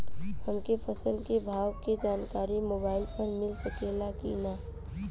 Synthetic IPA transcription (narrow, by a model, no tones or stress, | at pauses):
həmkepʰəsəlkebʱaːwked͡ʒaːnkaːɾimoːbaːɪlpəɾmɪlsəkelaːkḭnaː